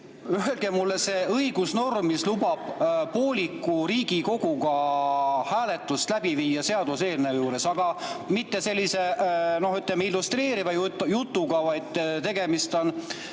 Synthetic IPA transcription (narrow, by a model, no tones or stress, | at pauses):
yɦelɡ̥emulːese̞ːɤjɡ̥usno̞rmmislubɑb̥poːlʲikːˑuɾiːɡ̥iko̞ɡ̥uɡɑ | hæːle̞t̪ːˑust̪læb̥iviːjːɑse̞ɑd̪̥use̞ːlnewjuːɾe̞sɑɡ̥ɑmit̪ːe̞selʲːise̞no̞hyt̪ˑlɛmeilːust̪re̞ːɾivɑjt̪jut̪ːˑuɡ̥ɑvɑjd̪̥t̪e̞ɡ̥e̞mist̪o̞n